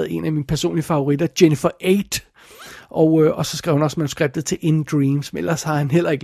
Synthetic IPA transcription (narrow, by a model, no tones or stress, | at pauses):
ð̩ˠe̝̰næmiːnəpʰæɐso̝̰ːnliəfɑ̈o̝ʁid̥ɐd̥enifɐʔeɪd̥ | ʔɒʊøʔɒ̽sɒ̽sɡ̥ʁɛ̰ʊhænɒ̽smænosɡ̥ʁeb̥̚d̥ð̞̩ˠt͡sʰe̝lʔend̥ʁiːmsmenelɐshɑ̈hænɦel̰ɐe̝ɡ̥